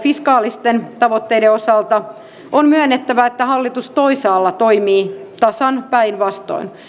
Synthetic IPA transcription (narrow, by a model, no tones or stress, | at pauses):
fiskɑːlist̪ent̪ɑʋot̪ːeideosɑlt̪ɑ | ʔonmyønːet̪ːæʋæet̪ːæhɑlːit̪ust̪oisɑːlːɑt̪oimiːt̪ɑsɑnpæinʋɑst̪o̰in